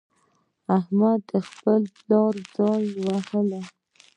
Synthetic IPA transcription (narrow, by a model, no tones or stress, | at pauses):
ahmad̪əxpəllɑɾd͡zɑnwahəla